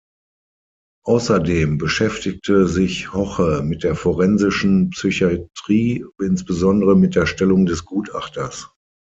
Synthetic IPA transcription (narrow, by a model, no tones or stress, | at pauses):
ʔaʊsɐdeːmbəʃɛftɪk̚tʰəzɪçhɔχəmɪt̚d̥eːɐfɔʁɛnzɪʃn̩psyçatʁ̥iːɪnsb̥əzɔndəʁəmɪt̚d̥eːɐʃtɛlʊŋdɛsɡ̥uːta̰χtɐs